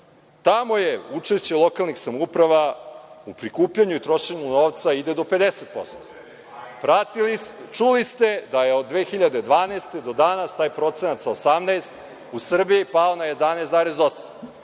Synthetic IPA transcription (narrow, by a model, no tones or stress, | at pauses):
t̪amo̞jeut͡ʂeʃt͡ɕe̞lˠo̞kalˠnixsamupɾaʋaupɾikuːpʎaɲuit̪ɾoʃe̞ɲuno̞ːʋt̪said̪ed̪o̞pe̞d̪eset̪̚po̞̰st̪o̥ | pɾat̪ilit͡ʃulist̪e̞d̪aje̞od̪̚ːʋeːxiʎad̪e̞d̪ʋaːneːst̪e̞d̪o̞d̪anast̪aːjpɾo̞t̪senat̪saosamnaːst̪ | usr̩biipaonajed̪anejszaːɾezo̞sḁm